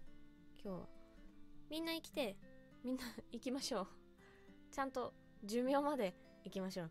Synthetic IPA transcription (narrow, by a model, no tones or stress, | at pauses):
kʲʰo̞ː | mʲĩnːaikʲi̥t̪e̞ | mʲĩnːaikʲimaɕo̞ː | t͡ɕãnt̪o̞ | d͡ʑɨmʲjo̞ːmad̪e̞ | ikʲimaɕo̞ː